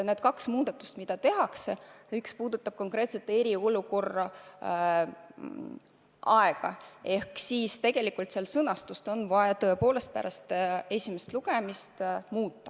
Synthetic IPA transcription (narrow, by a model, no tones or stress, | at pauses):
ne̞d̪̚kɑksmuːd̪ɑt̪ːˑu̥st̪mid̪̥ɑt̪e̞ɦɑkseykspuːd̪ut̪ːˑɑb̥̚ko̞ŋkre̞ːt̪set̪ːˑe̞ɾio̞luko̞rːɑ | ʔɑeɡ̥ɑ̰e̞hksiːst̪e̞ɡ̥e̞likult̪selsɤnɑst̪ust̪o̞nvɑɑt̪ɤ̞e̞po̞ːle̞st̪̚pæ̰ɾʔɑst̪e̞sʲimest̪luɡ̥e̞mist̪muːt̪ːˑɑ